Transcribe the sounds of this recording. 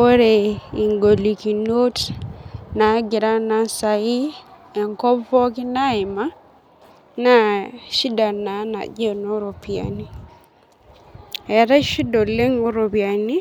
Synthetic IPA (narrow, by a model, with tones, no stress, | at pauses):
o˦ɾe˨i˨ŋɡo˨li˨ki˨no˦t | na˨˦ɡɪ˨ɾa˦na˨sa˨i˦ɛ˨ŋkɔ˦vɔ˦ki˦na˦ɪ˨ma˦ | na˦ʃi˦da˨na˨˦na̰˨d͡ʒe˦no˦ɾo˨pia̰˨ni˦ | ɛ˨ɾɛ˦ʃi˦do˨le˦ŋo˦ɾo˨pia˨ni˦